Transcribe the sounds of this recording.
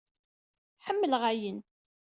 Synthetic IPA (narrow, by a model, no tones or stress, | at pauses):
ħəmːəlʁajən